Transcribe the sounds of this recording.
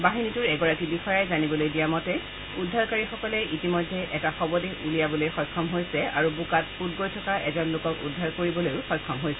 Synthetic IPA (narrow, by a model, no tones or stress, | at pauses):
baɦinitʊɹɛɡɔɹakibixɔjajzanibɔlojdijamɔtɛ | udʱːaɹkaɹixɔkɔlɛʔitimɔjdʱːɛʔɛtaxɔbɔdeʔulijabɔlojxɔjkʰːɔmɦojsɛaɹubukatput̚ɡojtʰɔkaʔɛzɔnlokɔkṵdʱːaɹkoɹibɔlojʊxɔjkʰːɔmɦojsɛ